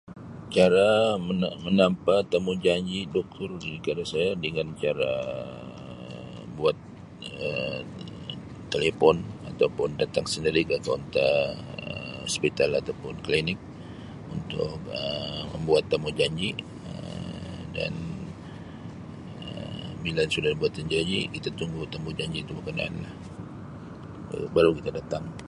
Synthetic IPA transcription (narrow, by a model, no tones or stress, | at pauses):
t͡ʃaɾaməmənampat̪amud͡ʒaɲd͡ʒidɔk̚t̪ʰʊrɡikadasajadəŋant͡ʃaɾa̰ | buat̪̚ | ə | elefɔnat̪awpʊndat̪aŋsəndiɾikəkɔnt̪aəspit̪alat̪awpʊnklinɪk̚ | unt̪ʊ̰kəməmbuat̪ːamud͡ʒaɲd͡ʒi | ə | da̰n | əmilansudabuat̪ːəɲd͡ʒad͡ʒḭkit̪at̪uŋɡut̪ambud͡ʒaɲd͡ʒit̪ubəkəna̰anlah | baɾukit̪adat̪aŋ